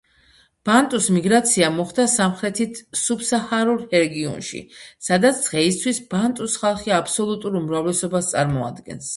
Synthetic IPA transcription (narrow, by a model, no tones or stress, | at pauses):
b̥ant̪ʼusmiɡɾat̪sʰiamɔχd̪asamχɾɛt̪ʰit̪ʰsubsahaɾuɾhɛɾɛɡiɔ̰nʃḭsad̪at̪sʰz̥ʁɛist̪ʰwisb̥ant̪ʼusχalˠχiapʰsɔlˠut̪ʼuɾumɾavlɛsɔbast̪sʼaɾmɔa̰d̪ɡɛ̰ns